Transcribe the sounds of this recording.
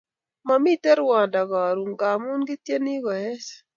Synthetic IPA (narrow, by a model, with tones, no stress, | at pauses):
ma˨mi˦tɛ˦ɾwɔ˨da˨ɡɔ˨ɾu˨ŋɡa˨mu˦nɡi˦tje˦ni˦ɡɔ˨ɛ˦s